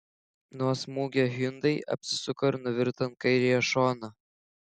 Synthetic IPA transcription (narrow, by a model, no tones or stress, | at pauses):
nuɔsmuːɡʲɛɦʲynd̪ɐɪʔɐ̰pʲsʲɪ̥sʊkɐɾnʊʋʲɪɾt̪ɐn̚kɐɪɾʲɪjɛʃɔːnɐ